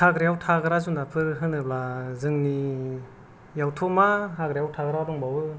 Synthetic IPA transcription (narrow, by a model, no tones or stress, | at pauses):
haɡɾejawtʰaɡɯɾazunapʰɯɾɦɯnɯblazɯŋni | jawtʰɔmaɦaɡɾejawtʰaɡɾadɔŋbawɯ